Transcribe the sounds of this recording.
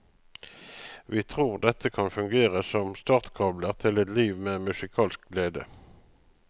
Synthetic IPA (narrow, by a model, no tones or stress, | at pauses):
ʋiːt̪ʰʁuːʁd̪ɛt̪ʰəkʰɑnfʉŋɡeːʁəsɔmst̪ɑːʁt̪kʰɑbləʁt̪ʰɪlɛt̪liːʋmeːmʉsɪkʰɑːlsk̚ɡleːd̪ə̰